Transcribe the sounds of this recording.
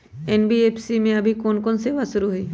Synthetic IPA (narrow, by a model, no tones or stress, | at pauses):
eːnbieːpʰsimẽɐbʱikoːnkoːnseːʋasʊɾuɦʊiː